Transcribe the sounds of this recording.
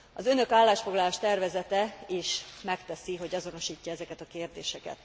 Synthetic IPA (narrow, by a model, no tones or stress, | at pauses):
ɒzø̞nø̞kaːlːaːʃfoɡlɒlaːʃt̪ɛrvɛzɛt̪ɛeːʃmɛkt̪ɛsiɦo̞ɟɒzo̞no̞ʃiːcːɒɛzɛkɛt̪ɒkeːrd̪eːʃɛkɛ̰t̪